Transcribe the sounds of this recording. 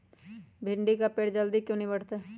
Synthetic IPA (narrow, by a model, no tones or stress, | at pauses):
bʱɪɳɖikapeːɽd͡ʒəld̪ikjõːnɐɦĩbəʈʰt̪aː